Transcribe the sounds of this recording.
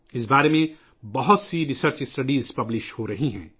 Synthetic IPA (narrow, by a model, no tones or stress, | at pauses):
ɪs̬baːɾemẽ | bɐɦʊt̪siɾɪsəɾt͡ʃɪsʈɐɖiːzpɐblɪʃʈhoɾɐɦiɦɛ̰̃ː